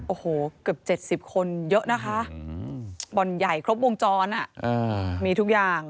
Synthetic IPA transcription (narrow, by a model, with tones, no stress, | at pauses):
ʔoː˨˧˩hoː˨˩˦kɯ˨˩əp̚t͡ɕe˨˩t̪̚si˨˩p̚kʰo˧njɤ˦˥ʔna˦˥kʰa˦˥ʔ | bɔ˧nja˨˩jkʰɾo˦˥p̬̚bo˧ŋt͡ɕɔː˧nʔa˨˩ʔʔɤː˧˩miː˧t̪ʰu˦˥k̚jaː˨˩ŋ